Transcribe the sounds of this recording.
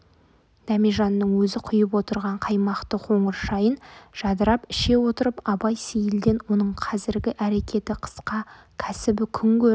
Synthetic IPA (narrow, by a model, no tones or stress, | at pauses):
d̪̥ɑmiʒɑnːəɴwɵzɪqʰʊjəp̬wo̞t̪əɾʁɑɴqʰɑjmɑqt̪əqʰo̞ɴəɾʃɑjənʒ̥ɑd̪əɾɑpɪʃe̞wo̞t̪əɾəpɑbɑjsejɪlɡ̪ʲe̞nwo̞nəɴqʰɑzɪɾɡʲɪʔæɾe̞kʲʰe̞t̪ɪqʰə̥sqɑ | kʲʰæsɪbɪkʲʰʏŋkʲɵɾ